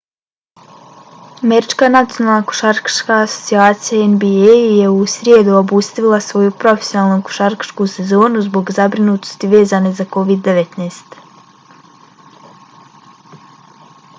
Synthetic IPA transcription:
ameɾit͡ʃkanat̪sijonalˠnaku̥ʃaɾkḁʃkaːso̞̥t̪siaːt̪sijaenbiejje̞usɾjed̪uobuːst̪aʋilˠasʋo̞jupɾo̞fe̞sjonaːlˠnuku̥ʃaɾkḁʃkuse̞zo̞ːnuzbo̞ɡzabɾinuːt̪ost̪iʋe̞ːzane̞zako̞ʋid̪ːe̞ʋet̪neːst̪

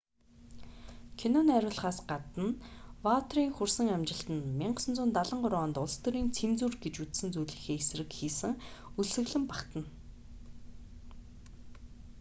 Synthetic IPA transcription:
kʰenoːnæɾʲʊːɮχaːsɢat̪ə̆nwawʰt̪riːŋxursə̆ŋæmt͡ɕɪ̆ɬt̪ə̆nmiɴɢə̥̆sə̆nt͡suːnt̪aɮə̆ɴɢʊɾaːnt̪ʊɮst̪ɵ̆ɾiːnt͡sʰemt͡suːrɡet͡ɕut̪sɘ̆nt͡sujɮiːxeːes̆rɘ̆kxiːsɘ̆ŋuɮsɘ̆ɣɮɘ̆mpakt̪ə̆n

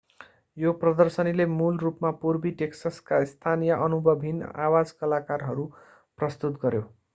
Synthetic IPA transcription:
joprʌd̪ʌrsʌnilemulrupmapurbiʈeksaskaist̪ʰanijʌʔʌnubʱʌbʱinawad͡zkʌlakarɦʌɾu | prʌst̪ut̪̚ɡʌɾjo

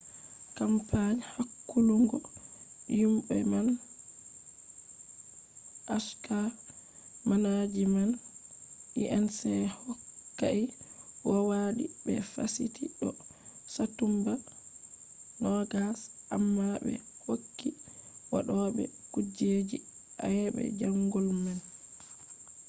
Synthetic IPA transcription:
kampaɲhakːuluŋɡɔ | jumɓɛman | ʔaʃka | manad͡ʒiman | ʔiʔɛnsɛhɔkːaʔiwɔwaɗibɛfasitʰiɗɔ | satumba | nɔɡasʔamːabɛ̰hokːiwa̰ɗɔɓɛ̰kud͡ʒed͡ʒi | ʔajɛɓɛ̰d͡ʒaŋɡɔlman

